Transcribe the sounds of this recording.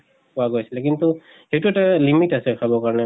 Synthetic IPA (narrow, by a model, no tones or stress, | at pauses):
pʊaɡojsilɛkintu | xektuɛtalimitasɛkʰabɔkaɹɔnɛ